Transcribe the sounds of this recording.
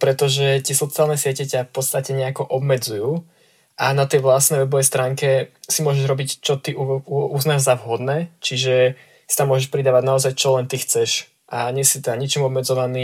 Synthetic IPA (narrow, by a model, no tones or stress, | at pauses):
pɾɛt̪ɔʒɛt̪ɪɛsɔt͡sialˠnɛsɪɛcɛcafpɔt̪st̪acɛɲɛakɔʔɔbmɛd͡zujuː | ʔanat̪ɛjʋlasnɛjʋɛbɔʋɛjst̪ɾaːŋkɛsimʊɔʒɛʒɾɔbict͡ʃɔt̪iʔuuuznaːʒzavɦɔd̪nɛːt͡ʃiʒɛ | si̥t̪amːʊɔʒɛʃpɾid̪aːʋaɟnaɔzajt͡ʃɔlɛnt̪ixt͡sɛʃ | ʔaɲɪɛsit̪ɛd̪aɲit͡ʃimɔbmɛd͡zɔʋaniː